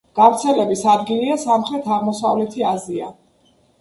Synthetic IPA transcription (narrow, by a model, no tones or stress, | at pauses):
ɡ̥avɾt̪sʰɛlɛbisad̪ɡiliasamχɾɛt̪ʰaʁmɔsavlɛt̪ʰiazia̰